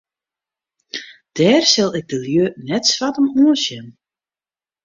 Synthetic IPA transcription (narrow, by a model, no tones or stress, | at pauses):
d̥ɛːrsɪlˠɪɡ̚dəljøːnɛtsʋatəmuːəsjɛn